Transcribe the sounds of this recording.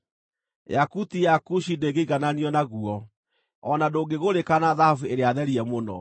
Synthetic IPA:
jakutijakuʃideɡeiɣananiɔnaɣuɔ | ɔnadoɡeɣoɾekanaðahavueɾeaðɛɾiɛmonɔ̰

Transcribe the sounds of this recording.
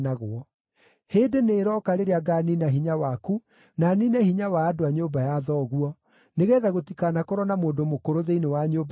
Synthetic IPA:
naɣoɔ | heːdeneːɾɔːkaɾeɾeaɡaninaɦiɲawaku | naninɛhiɲawaːdoaɲoːbajaðɔːɣuɔ | neɣɛːðaɣotikanakoɾɔnamoːndomokoɾoðeinewaɲoːb

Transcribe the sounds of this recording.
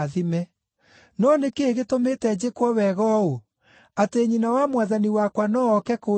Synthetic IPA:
ðimɛ | nɔnekeeɣetometɛd͡ʑekwɔwɛɣɔo | ateɲinawamwaðaniwakwanɔːkɛko

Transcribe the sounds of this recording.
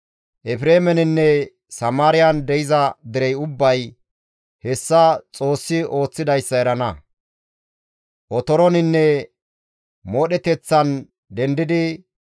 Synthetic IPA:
ʔɛfɪɾeːmɛnɪnːɛ | sɐmaːɾɪjɐnd̪ɛɪzɐd̪ɪɾɛjʊbːɐj | hɛsːɐt͡sʼo̞ːsːɪo̞ːt͡sːɪd̪ɐjsːɐɛɾɐnɐ | ʔɔt̪ɔɾɔnɪnːɛ | moːɗɛt̪ɛt͡sːɐn | d̪ɛnd̪ɪd̪ɪ

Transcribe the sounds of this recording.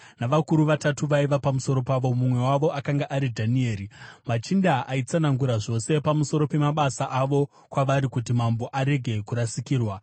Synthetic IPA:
naʋakuɾuʋatatuʋaiʋapamuso̞ɾo̞paʋo̞mumwe̞waʋo̞ʔakaŋɡaʔaɾidʱanie̞ːɾimat͡ʃindaʔait͡sanaŋɡuɾaʐo̞se̞pamuso̞ɾo̞pe̞maɓasaʔaʋo̞ | kwaʋaɾikutimambo̞ʔaɾe̞ɡʱe̞kuɾasikiːrwa

